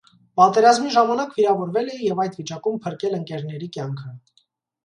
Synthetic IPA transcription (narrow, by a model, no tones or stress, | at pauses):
pɑt̪ɛɾɑzmiʒɑmɑnɑkviɾɑvɔɾvɛlɛjɛvɑjd̪vit͡ʃɑkumpʰəɾkɛləŋkɛɾnɛɾikjɑŋkʰə